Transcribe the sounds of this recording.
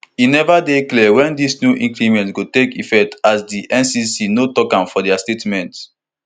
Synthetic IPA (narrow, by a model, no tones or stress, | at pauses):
inɛvadeklɛwɛ̃ndisnjuʔĩŋkɹimɛ̃ntɡotekifɛk̚tasdiʔɛ̃nsisinotɔkãmfɔdɛastetmɛ̃nt